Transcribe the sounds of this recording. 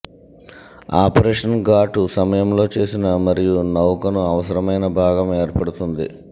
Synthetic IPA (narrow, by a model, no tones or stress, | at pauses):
aːpɐɾeːʂɐnɡaːʈusɐmɐjɐmlo̞ːt͡ʃe̞ːsinɐmɐɾijunɐwkɐnuɐʋɐsɐɾɐmɐjnɐbʱaːɡɐme̞ːɾpɐɽut̪und̪ḭ